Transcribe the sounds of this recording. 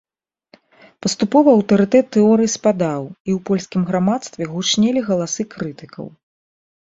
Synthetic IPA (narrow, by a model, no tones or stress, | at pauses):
pɐst̪upɔvɐɐwt̪ɐɾɨt̪ɛt̪ːɛɔɾɨjispad̪awiwpɔlʲsʲkʲimɣɾamat̪st̪vʲɛɣut͡ʂnʲɛlʲiɣɐlˠasɨkɾɨt̪ɨkɐ̰w